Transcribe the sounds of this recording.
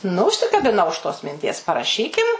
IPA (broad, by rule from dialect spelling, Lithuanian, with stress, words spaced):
nʊ ʊʃʲsʲɪkɐbʲɪˈnɐʊ ʊʃ toːs mʲɪnʲˈtʲiɛs pɐrɐˈʃʲiːkʲɪm